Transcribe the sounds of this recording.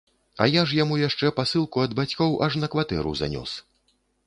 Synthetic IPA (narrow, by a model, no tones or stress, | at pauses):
ɐ̰jaʂ̬jamujaʂt͡ʂɛpasɨlˠkuɐd̪bat͡sʲkɔwʔɐʂnɐkvat̪ɛ̰ɾṵza̰nʲɔ̰s